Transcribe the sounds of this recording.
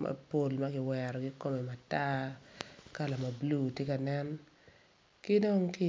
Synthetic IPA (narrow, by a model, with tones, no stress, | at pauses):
ma̰˨po˨lma˦ɡɪ˨wɛɾɔ˨ɡɪ˦ko˦me˨ma˨ta˦ | ka˦la˨ma˨blu˦˨tje˦ka˨nɛ˦n | kɪ˦do˦ŋkɪ˦